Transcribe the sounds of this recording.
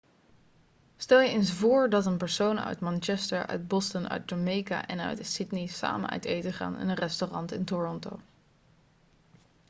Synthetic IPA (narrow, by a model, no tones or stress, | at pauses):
stɛlˠjəensvʊːɹdɑtənpəɹsownœ̰ɥtmɑnt͡ʃɛstəɹʔœ̰ɥd̚bɔstənœ̰ɥt̚domejka̰ʔɛnœ̰ɥtdəsɪdnisa̰ːmə̰nœ̰ɥtejtəχa̰ːnɛ̰nənrɛstorɑntɪntorɔnto̰w